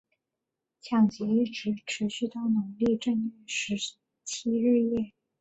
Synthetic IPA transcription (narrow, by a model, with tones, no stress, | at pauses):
t͡ɕʰjɑ˨˩ŋt͡ɕjɛ˧˥i˥˩ʈ͡ʂɻ̩˧˥ʈ͡ʂʰɻ̩˧˥ɕy˥˧t̪ɑ˥˩ʊnə˧˥ŋli˥˧ʈ͡ʂɤ˥˧ŋɛ˥˩ʂɻ̩˧˥ | t͡ɕʰi˥ɻɻ̩˥˧jɛ˥˩